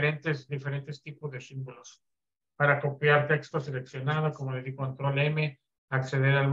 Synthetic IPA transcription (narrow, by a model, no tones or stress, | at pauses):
ɾent̪esd̪ife̞ɾe̞nt̪e̞st̪ipozðesimbolos | paɾako̞pjaɾt̪e̞kst̪ose̞le̞ksjo̞nað̞oko̞mo̞le̞ðiɣoant̪ɾoleme̞ | akseðe̞ɾalm